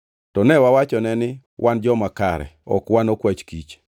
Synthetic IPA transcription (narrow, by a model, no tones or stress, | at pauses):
tɔnɛwawat͡ʃɔnɛnɪ | wʔand͡ʒɔmakaɾɛ̰ɔ̰kwanokwat͡ʃkit͡ʃ